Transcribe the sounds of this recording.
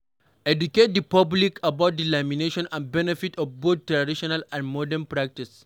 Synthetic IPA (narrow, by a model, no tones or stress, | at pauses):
ɛduket̚dipablikʰabaʊt̚dilamineʃɔ̃nãnbɛnɛfitʰɔfbot̪̚tɾadiʃɔnalãnmɔdɛ̃npɾak̚tis